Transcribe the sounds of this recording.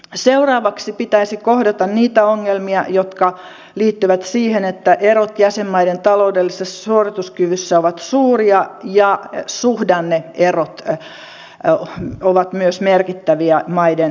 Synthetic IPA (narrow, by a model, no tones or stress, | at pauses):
seurɑːʋɑksipit̪æisikohdɑt̪ɑnniːt̪æoŋːelmiɑjot̪kɑ | liːt̪ːyʋæt̪siːhenet̪ːæʔerot̪jæsemːɑident̪ɑloudelːisessuorit̪uskyʋysːæoʋɑt̪suːriɑjɑsuhdɑnːeerot̪ | oʋɑt̪myøsmerkit̪ːæʋiæmɑiden